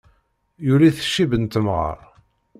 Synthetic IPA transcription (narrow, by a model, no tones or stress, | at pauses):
juliθə̥ʃːibənt̪əmʁə̰ɾˤ